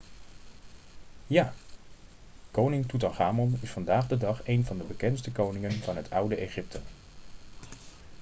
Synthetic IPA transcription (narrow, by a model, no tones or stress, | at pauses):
jaː | kownɪŋtut̬ɑnχaːmɔnɪsfɑndaːχdədɑχejnvɑndəbəkɛnts̬təkownɪŋənvɑnɦətʰʌwdəʔejχɪp̚tʰə